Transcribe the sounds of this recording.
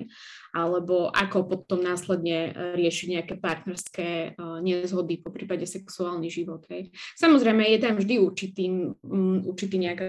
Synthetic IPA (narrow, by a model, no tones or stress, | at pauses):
ʔalɛbɔʔa̰kɔpɔt̪ɔmnaːslɛd̪ɲɛɾɪɛʃiɟɲɛakɛpaɾt̪nɛɾskɛːɲɛzɦɔd̪ipɔpɾiːpaɟɛsɛksuaːlˠniʒiʋɔd̪ɦɛjsamɔzɾɛjmɛjɛt̪amvʒd̪iuɾt͡ʃit̪iːmuɾt͡ʃit̪iːɲɛaka